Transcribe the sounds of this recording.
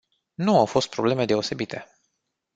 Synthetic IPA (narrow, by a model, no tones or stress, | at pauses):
nuawfo̞st̪̚pɾo̞ble̞me̞d̪e̞o̞se̞bit̪ʰe̞